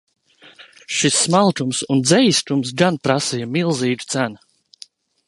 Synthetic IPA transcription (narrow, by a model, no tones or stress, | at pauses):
ʃisːmalˠt̪umsund̪zɛjst̪ums̬ɡanpɾasijamilˠziːd̪u̥t̪sæn